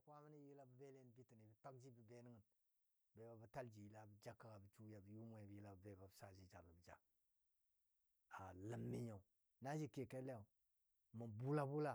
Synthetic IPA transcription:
kʷa˦mə˦ni˦ji˦la˦bə˨be˦le˦n˦bi˦ti˨ni˨bi˨ta˦k̚d͡ʒi˦bə˨be˦ni˦ŋə˨n | be˨ba˨bə˨ta˦ld͡ʒi˨ji˦la˨bə˨d͡ʒa˦kːa˨ɡa˨bə˨t͡ʃu˦ja˨bə˨ju˦ma˨bə˨ji˦la˨bə˨be˨ba˨bə˨sa˨d͡ʒi˦d͡ʒa˨lə˨bə˨d͡ʒa̰˨ | a˨lə˨mːi˦ɲa˨u˨ | na˦d͡ʒi˦ke˨ke˦le˦ja˨u˨ | mə˨bu˦la˦bu˦la˦˨

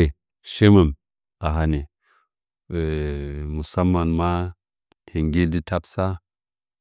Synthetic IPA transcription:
e˨ | ʃe˦ma˨m | a˨ɦa˨ne˨ | mu˨sa˦mːa˨nma˦ | tʰe˨ŋɡi˦di˦ta˦psa˦

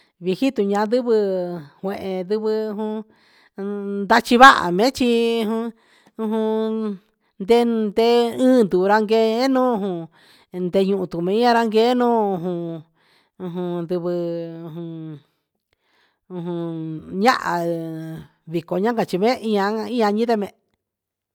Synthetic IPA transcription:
βi˧hi˦t̪u˧ɲã˧nd̪ɨ˦βɨ˧hwẽ˧ʔẽ˧d̪ɨ˧βɨ˧hũ˧ | nd̪a˧t͡ʃi˧βa˦ʔa̰˨mẽ˦t͡ʃi˧hũ˧ | ũ˧ɦũ˧ | nd̪e˧˦nd̪e˧ɨ̃ː˦nd̪u˨˧ɾa˧ŋɡe˧˦nũː˦˧hũ˧ | nd̪e˧ɲũ˧ʔũ˧t̪u˨mẽ˨˧ĩ˦ã˧ɾa˧ŋɡe˦nũː˦u˧ɦũ˧ | ũ˧ɦũ˧nd̪u˧βɨ˧u˧ɦũ˧ | ũ˧ɦũ˧ɲã̰˦ʔa˨ | βi˨ko˨ɲã˦ka˧t͡ʃi˧mẽ˦ʔi˦ã˧˦ĩ˦ã˧ɲĩ˦t̪e˧mẽ˧

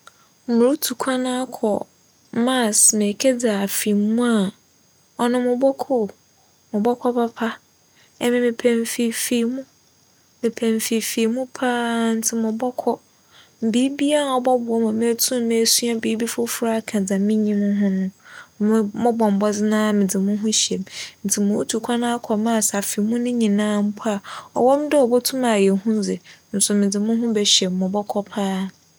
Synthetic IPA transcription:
mʊ̃˨ʊ˦tʰu˨kʰa˦nã˦a˦kʰɔ̰˨ | ma˦˨sme˨kʰe˦d͡za˨a˨fi˨mũ˦a˨ | ɔ˨nʊ̃˦mʊ̃˨bɔ˦kʰʊ˦˨ | mʊ̃˨bɔ˦kʰɔ˦pʰa˦pʰa˦ | ɛ˦mɪ̃˨mɪ̃˨pʰɛ̃˨ɱfi˨fi˨mũ˦ | mɪ̃˨pʰɛ̃˨ɱfi˨fi˨mũ˦pʰa˦n̩˦tʰɪ˦mʊ̃˨bɔ˦kʰɔ˦ | m̩˨biː˨˦bi˦a˦n˨ɔ˨bɔ˦bʊ˨ɔ˦mã˨me˦tʰũ˦m˦me˨˦su˦a˦biː˨˦bi˦fʊ˦fʊ˦ɾa˦kʰã˨d͡zã˨mɪ̃˦ɲĩ˦mʊ̃˦ɦʊ̃˦nʊ̃˦˨ | mɔ̃˦bɔ̃˨m˨bɔ˦d͡zɪ˦nã˦mɪ̃˨d͡zɪ˨mʊ̃˦ɦʊ̃˦ɕɛ˨mn̩˨tʰɪ˨mʊ̃˨u˦tʰu˨kʷʰa˦nã˦a˦kʰɔ˨mã˦˨sa˨fi˨mũ˦nɪ̃˦ɲĩ˨nãː˦m̩˦pʰa˦˨ɔ̰˨wɔ̃˦mdɛ˦ɔ˨bɔ˦tʰũ˦ma˨jɛ˨ɦʊ̃˦d͡zɪ˨n̩˨sʊ˨mɪ̃˨d͡zɪ˨mʊ̃˦ɦʊ̃˦bɛ˨ɕɛ˨mːɔ̃˨bɔ˦kʰɔ˦pʰaː˦

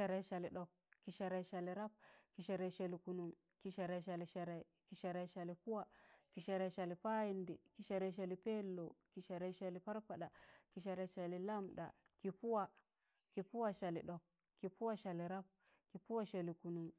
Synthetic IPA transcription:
a˨ɾe˦˨ʃa˨li˨ɗo˨k̚ | kːi˨ʃa˨ɾe˨˦ʃa˨li˨ɾa˦p̚ki˨ʃa˨ɾe˨˦ʃe˨li˨ku˨nu˨ŋ | ki˨ʃa˨ɾe˨ʃa˨li˨ʃe˨ɾe˨ | ki˨ʃa˨ɾe˨ʃa˨li˨pu˦wa˨ki˨ʃe˨ɾe˨ʃa˨li˨pa˦ji˨ndi˨ki˨ʃa˨ɾe˨ʃ̬a˨li˨pe˦lːo˨ki˨ʃa˨ɾe˨˦ʃa˨li˨pa˦ɾpa˨ɗa˨ki˨ʃa˨ɾe˨˦ʃa˨li˨la˦mɗa̰˨ | ki˨pu˦wa˨ | ki˨pu˦wa˦ʃa˨lḭ˨ɗo˨k̚ | kːi˨pu˦wa˦ʃa˨li˨ɾa˦p̚ | ki˨pu˦wa˦ʃe˨li˨ku˨nu˨ŋ

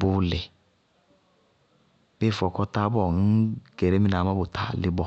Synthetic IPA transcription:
bʊ˨lɛ˨ | be˦˨fɔ˨kɔ˧ta˧bɔ˦˨ŋ̩˦ɡ̥ɛ˨ɾɛ˨˦mi˦na˨˦ma˦bo˨tʰa˦˨lɪ˦bɔ˦˨

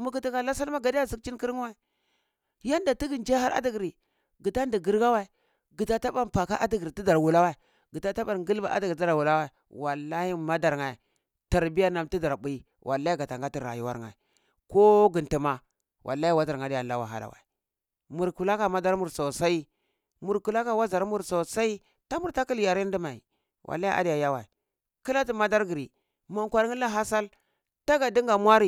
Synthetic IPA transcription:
mu˨ɡi˦ti˦ka˨la˦sa˦lma˦ɡa˨di˦ja˦zi˨˦k̚t͡ʃi˦nki˦ɾŋ˦wa˦˨i˨ | ja˦nda˨ti˦ɡi˨nd͡ʒa˦ɦa˦ɾʔa̰˦di˦ɡɾi˨ | ɡi˨ta˦ndi˨ɡi˦ɾɡa˦wa˦i˨ | ɡi˨ta˦ta˦ba˦˨npa˨ka˦ʔa˦di˨ɡi˨ɾi˨ti˦da˨ɾwu˨la˦wa˦i˨ | ɡi˨ta˦ta˦ba˨ɾɡi˦lba̰˨˦ʔa̰˦dɡa˦˨a˨wu˨la˦wa˦i˨ | wa˨lːa˦hi˦ma˦da˨ɾŋa˨i˨ | ta˨ɾbi˦ja˦na˦mti˦da˨ɾbu˨˦i˦ | wʔa̰˨lːa˦i˦ɡa˨ta˨ŋɡa˦ti˦˨ɾa̰˨ju˦wa˦ŋa̰˨i˨ | ko˦ɡi˨nti˨ma˦ | wʔa̰˨lːa˦i˦wa˦za˨ɾa˨di˦ja˨la˦wa̰˨ɦa̰˨la̰˨wa̰˨i˨ | mu˨ɾku˨la˦ka˨ma˦da˦ɾmu˨ɾsa˨sa˦i˦ | mu˨ɾku˨la˦ka˦wa˦za˨ɾmu˦ɾsa˨sa˦i˦ | ta˦mu˨ɾta˦ki˦lja˨ɾi˦n˦di˦ma˨ḭ˨ | wʔa̰˨lːa˦i˦ʔa̰˦di˦ja˨ja˦wa˨i˨ | ki˦la˦ti˨ma˦da˦ɾɡi˨ɾi˨ | ma˨ŋkʷa˨ɾŋi˦la˦ɦa˦sa˦l | ta˦ɡa˨di˦ŋɡa˨mwʷa˦ɾi˦˨

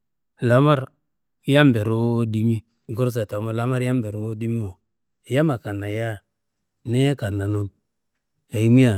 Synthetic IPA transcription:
la˨˦ma˦ɾ | ja˦mbe˨ɾo˦di˦mi˦ | ɡo˦ɾs̬a˨ta˨˦ma˨la˦ma˦ɾja˦mbe˨ɾo˨˦di˦mi˦o˨ | ja˦ma˨ka˨na˨ja˦ | ne˦ka˨na˨nu˦n | ja˨i˦mi˦a˨

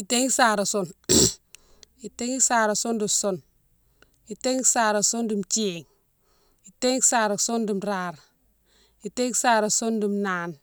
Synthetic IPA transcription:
i˨te˦ŋi˦saː˨ɾa˨so˦n | i˨te˦ŋi˦sa˨ɾa˨so˦ndi˨so˦n | i˨te˦ŋi˦saː˨ɾa˨so˦ndi˨mt͡ʃi˦e˨ŋ | i˨te˦ŋ˦saː˨ɾa˨so˦ndi˨mɾa˨ɾ | i˨te˦ŋ˦sa˦ɾa˨so˦ndi˨mnaː˦n

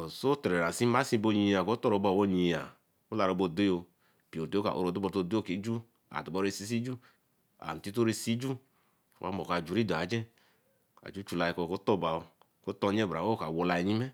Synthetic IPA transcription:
o˨so˦tɛ˨ɾɛ˨ɾa˨si˦ma˦sĩ˦˧bo˧ɲi˧a˨ko˦tɔ˦ɾo˧˨ba˧˨wo˧ɲi˧˨a̰˨ | o˦la˧ɾo˧bo˧˨de˦jo˧ | pi˨o˨do˦ka̰˨ʔo̰˨˧ɾo˨˧˨du˦bɔ˧to˧˨de˦o˦ke˨˦d͡ʒu˦ | a̰˨do˨ɔ˧˦ɾe˧si˧˦s̬i˦d͡ʒu˦ | a̰˨n̩˨ti˦to˦ɾe˧si˦d͡ʒu˦˨ | ɾṵ˨a˦mo˨ka˧˨d͡ʒu˨˦ɾi˦do˨a˨˦d͡ʒɛ˦ | a̰˨d͡ʒu˦t͡ʃu˧la˧i˧kɔ˧ko˦tɔ˦˨ba˨˧o˧ | ko˦tɔ˧ɲɛ˦˨bɾa˨wo˦ka˨wo˧la˧i˧ɲi˦mɛ˦

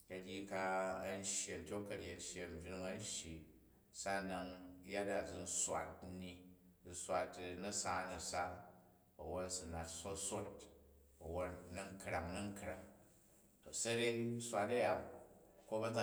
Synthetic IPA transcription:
jɐ˨dʲji˦˧ka˧ɐ˦n˦ʃje˨ntʲo˦kːɐ˨ɾe˨n˦ʃje˨m̩˨bʲɾu˧ŋɐ˦n˦ʃji˨ | sa˦na˧ŋ˦ja˦da˨d͡zi˧n̩˦swa̰˨tni˧˨ | sʷa˧tnɐ˦sa˦nɐ˨sa˦ | ɐ˨wo˦nsu˨na˨tso˦so˦t̚ | ɐ˨wo˦tnɐ˦ŋ˦kɾa˨ŋnɐ˦ŋ˦kɾa˨ŋ | o˨sɐ˦ɾe˦n˦sʷa˧tɐ˦ja˨ko˦ba˦d͡za˦

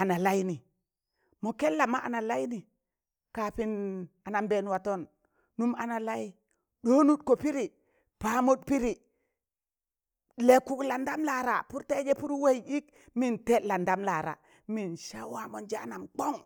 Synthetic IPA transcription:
a˨na˨la˦ji˦ni˨ | mo˨ke˦lːa˨ma˦ʔa˨na˨la˦jni˨ | ka˨pi˦na˨na˨mbe˦˨nwa˨to˦nː | u˦ma˨na˨la˦ | ɗo˦nu˦t̚ko˨pi˦ɾi˨ | pa˦mu˦t̚pi˦ɾi˨ | le˨kːu˦kla˨nda˦mla˨ɾa˨pu˦ɾte˦d͡ʒe˦pu˦ɾwe˦ji˦k | mi˦nte˦la˨nda˦mla˨ɾa̰˨ | mi˨nʃa˦wa˨mo˨nd͡ʒa˦a˦na˨mk͡po˦ŋ

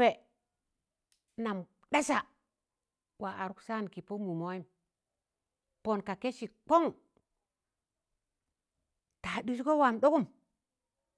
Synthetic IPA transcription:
e˨ | na˨m | ɗa˦sa˨ | wa˨a˨ɾu˦ksa˦n˨ki˨po˦mu˨mo˦i˦m | po˨nka˨ke˦ʃi˨k͡po˦ŋ | ta˨ɗu˦s̬ko˦wa˨mɗo˦ku˦m

